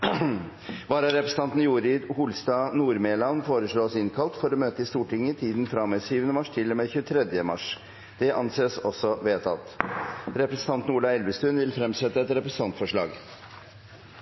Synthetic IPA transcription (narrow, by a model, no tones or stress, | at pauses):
ʋɑːɾɑɾɛpɾɛsn̩ʰɑnt̪n̩juːɾɪd̪hʊːlst̪ɑnuːɾmeːlɑnfoːɾəʂɭoːsɪnkʰɑlt̪fɔɾɔmøːt̪əɪst̪uːʈɪŋːət̪ʰiːd̪n̩fɾɑmːɛsyːʋənəmɑʂt̪ʰɪlːɔmeːçʉːt̪ʰɾɛd̪jəmɑ̰ʂ | d̪̥ɛʔɑnseːsɔsːɔʋeːt̪ʰɑ̰t̪ɾɛpɾɛsə̥n̩t̪ɑnt̪n̩uːɭɑɛlʋəst̪ʉːnʋɪlfɾɛmsɛt̪ːəɛt̪ɾɛpɾɛsə̥n̩t̪ɑnt̪fɔʂɭɑ̰ːɡ